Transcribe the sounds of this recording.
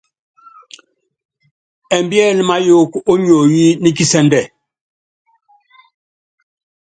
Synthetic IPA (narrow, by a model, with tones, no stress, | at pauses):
ɛ˨mbjɛ˦˨lma˦jo˦˨ko˦ɲo˨ji˦ni˦ki˦sɛ˦ndɛ˦˨